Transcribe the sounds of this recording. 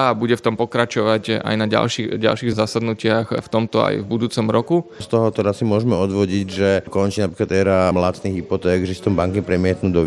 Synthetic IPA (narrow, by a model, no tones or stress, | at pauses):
abuɟɛft̪ɔmpɔkɾat͡ʃɔʋaca̰jnaɟa̰lʃiɟa̰lʃiːɣzasad̪nucɪaxft̪ɔmt̪ɔa̰jvbud̪uːt͡sɔmɾɔkust̪ɔɦɔt̪ɛɾasːimʊɔʒmɛɔd̪ʋɔɟiɟʒɛkɔnt͡ʃiːnapɾiklat̪ɛɾamlasniɣɦipɔt̪ɛːɡʒɛsi̥t̪ɔmbaŋkipɾɛmɪɛt̪nuːd̪ɔ